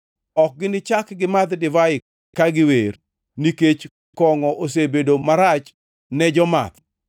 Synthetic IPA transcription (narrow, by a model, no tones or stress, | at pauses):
ɔk̚ɡɪnɪt͡ʃakɡɪmat̪dɪvaɪ | kaɡɪwer | niket͡ʃ | kɔŋɔʔos̬ebedomaɾat͡ʃ | nɛd͡ʒɔma̰t̪